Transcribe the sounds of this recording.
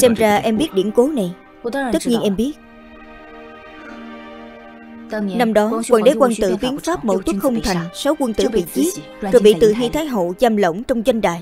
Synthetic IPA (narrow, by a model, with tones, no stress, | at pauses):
sɛ˧mzaː˧ʔɛ˧mɓi˦˥ət̚ɗḭ˧˩ənko˨˦na˨˩j | t̪t̪ə˦˥t̚ɲi˧ənʔɛ˧mɓi˦˥ət̚ | na˧mɗɔ˨˦wa̰˧˨nɗe˨˦kwaː˧nt̪ɨ̰˧˩vi˨˦ənfaː˦˥p̚mo̰˧˩t̪u˦˥kxə˧wŋ͡mt̪ʰa˨˩jŋ̟so˨˦wkwə˧nt̪ɨ̰˧˩ɓḭ˧˨t͡ɕi˦t̚zɔ˨˩jɓḭ˧˨t̪ɨ̰˧˨ɦḭ˧t̪ʰaː˨˦jɦo̰˧˨zaː˧mlə̰˧˩wŋ͡mt͡ɕɔ˧wŋ͡mzwa˧jŋ̟ɗa̰ː˧˨j